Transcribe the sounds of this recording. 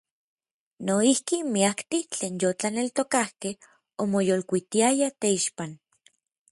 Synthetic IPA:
noihkimiakt̪it͡ɬeːnjot͡ɬanelt̪okahkeh | omojolkʷit̪iajat̪eiʃpan

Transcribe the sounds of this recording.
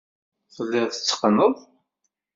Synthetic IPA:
θəlːɪʁθə̥t͡sːə̥qːnəðˤ

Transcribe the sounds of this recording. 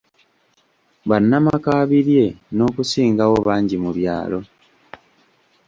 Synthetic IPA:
βanːamakaːβiɾje̞no̞ːkusiːŋɡawo̞βaːɲɟimuβja̰ːlo̞

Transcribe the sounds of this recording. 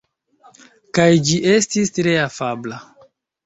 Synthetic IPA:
kajd͡ʒiʔe̞stistɾe̞afabla

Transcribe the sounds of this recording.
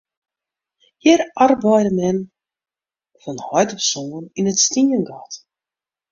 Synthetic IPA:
hirarbɔjdəmɛn | fɔnhɔjtɔsoːəninətstiənɡɔt

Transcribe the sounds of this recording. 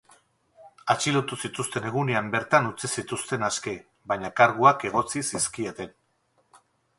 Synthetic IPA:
at͡ʃilot̪usit̪ust̪e̞ne̞ɣuneambe̞ɾt̪anut͡sisit̪ust̪e̞naske | βaɲakaɾɣuake̞ɣ̞o̞t͡sisiskie̞t̪e̞n

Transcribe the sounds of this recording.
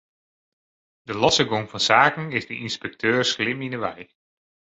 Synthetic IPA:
dəlɑsəɡoŋvɑnsaːkən̩ɪzdəʔinspɛk̚tʰøːɹslɪminəʋɛj

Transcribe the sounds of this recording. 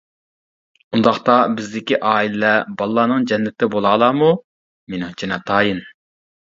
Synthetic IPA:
und̪ɑχt̪ɑbɪzd̪ɪkʲiʔɑːilɪlɛbɑlˠːɑːnɨŋd͡ʒɛnːɪt̪ʰːɪbolˠɑːlˠɑːmu | menɨht͡ʃʰinɑt̪ʰɑːjin

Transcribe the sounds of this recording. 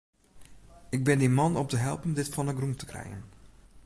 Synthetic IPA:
ɪɡ̚bɪndimɔnɔp̚təɦɛ̰lˠpən̩dɪtfɔnəɡrumtə̥krɛ̰jə̰n

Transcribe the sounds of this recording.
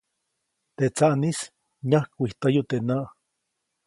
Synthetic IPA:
t̪et͡saʔnis | ɲahkʷiht̪ajot̪enaʔ

